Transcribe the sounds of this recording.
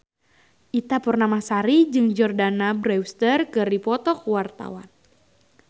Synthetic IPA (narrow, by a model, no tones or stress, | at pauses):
ʔit̪apərnamahsaɾid͡ʒɨŋd͡ʒɔrdanabɾɛwst̪ərkɨrdipɔt̪ɔkwart̪a̰wa̰n